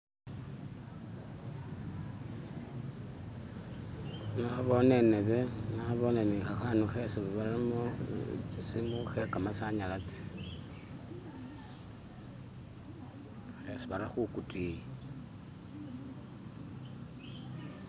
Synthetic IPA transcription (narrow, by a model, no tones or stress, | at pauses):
ŋaβoneneβeŋaβonenixaxanuxesiββaɾimot͡sisimuxekamasaɲalat͡si̥ | xesiβaɾaxukutiji